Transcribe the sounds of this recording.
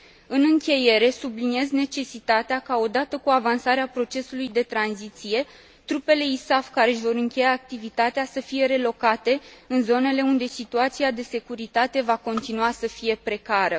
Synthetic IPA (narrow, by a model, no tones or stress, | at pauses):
ɨnɨŋkʲe̞je̞ɾe̞sublinie̞zne̞t͡ʃe̞sit̪at̪eakao̞d̪at̪əkuavansaɾeapɾo̞t͡ʃe̞sulujd̪e̞t̪ɾanzit̪sije̞ | t̪ɾupe̞le̞isafkaɾe̞ʃvo̞ɾɨŋkʲe̞jaːk̚t̪ivit̪at̪easəfije̞ɾe̞lo̞kat̪e̞ɨnzo̞ne̞le̞und̪e̞sit̪uat̪siad̪e̞se̞kuɾit̪at̪e̞vako̞nt̪inuasəfije̞pɾe̞kaɾə